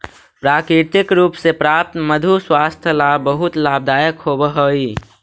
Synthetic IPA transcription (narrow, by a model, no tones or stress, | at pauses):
pɾakɾiɾt̪ɪkɾuːpsepɾap̚t̪məd̪ʱuswast̪ʰəlabəɦut̪lab̚d̪ajəkɦobəɦəi